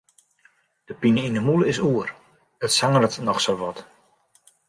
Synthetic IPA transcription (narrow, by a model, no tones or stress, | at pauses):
d̥əpinəinəmuləɪsuər | ətsaŋərətnɔxsolʋɔt